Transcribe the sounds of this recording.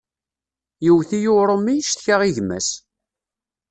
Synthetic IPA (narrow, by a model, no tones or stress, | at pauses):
jiwθijʊɾˤomːijʃt̪çaʁiʝmæ̰s